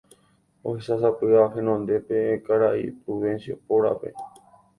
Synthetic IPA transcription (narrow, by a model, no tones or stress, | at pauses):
ohesasapɨaɦẽnõnd̪e̞peekaɾaḭpɾuβẽnsjopoɾa̰pe̞̰